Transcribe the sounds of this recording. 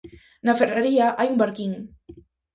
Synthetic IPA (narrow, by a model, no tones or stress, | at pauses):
naferaɾiaʔajumbaɾkiŋ